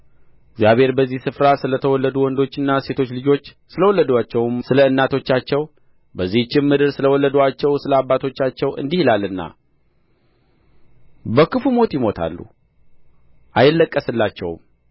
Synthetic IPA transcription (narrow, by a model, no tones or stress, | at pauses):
ɪɡzjaβhe̞ɾbəzːihsɨfɾasɨlət̪ʰəwɔlːəd̪uwɔnd̪o̞t͡ʃːɨnːase̞t̪ʰo̞t͡ʃːlɨd͡ʒo̞t͡ʃː | sɨləwɔlːəd̪at͡ʃːɛwmsɨləɨnːat̪ʰo̞t͡ʃːat͡ʃːɛw | bəzːiht͡ʃːɪmːɨd̪ɨɾsɨləwɔlːəd̪at͡ʃːɛwsɨləabːat̪ʰo̞t͡ʃːat͡ʃːɛwɨ̰nd̪ihilalːɨnːa̰ | bəkɨfumo̞t̪jɪmo̞t̪ʰa̰lːṵ | ʔajɪlːəkʼːəsɨlːat͡ʃːɛ̰wm